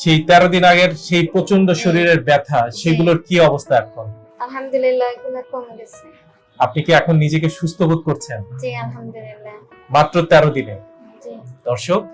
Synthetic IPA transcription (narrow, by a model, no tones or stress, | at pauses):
ʃejt̪ɛɾod̪inaɡeɾʃejpɾot͡ɕonɖoʃoɾiɾeɾbɛt̪ʰaʃeɡuloɾkiɔbost̪ʰaɛkʰon | ɐlɦamd̪ulilːaeɡulaɾkɔŋɾes | apnikeɛkʰonːid͡ʑek̬eʃust̪ʰobud̪̚koɾt͡ɕʰend͡ʑilɦamd̪lilːa | mat̪ːɾot̪ɛɾod̪ine | d͡ʑid̪̥ɔɾʃok̚